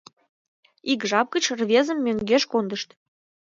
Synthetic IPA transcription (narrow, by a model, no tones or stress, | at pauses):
ikʒɑp̚ɡət͡ɕrβʲezəmːøŋɡeʃkond̪əʃt̪